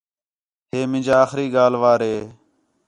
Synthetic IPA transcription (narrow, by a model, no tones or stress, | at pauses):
ɦeːmɪ̃d͡ʒaːxɾiːɠaːlʋaːɾɦeː